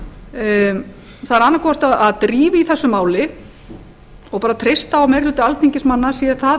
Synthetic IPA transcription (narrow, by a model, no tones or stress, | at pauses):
θaðɾanːakʰɔːast̪aðaðt̪ɾiːvɪiθɛsːʏmaːwlɪ | ɔɣpaːɾat̪ʰɾejst̪aawmɛɾrlʏːt̪ɪalt̪ʰiɲcɪsmanːasiaθa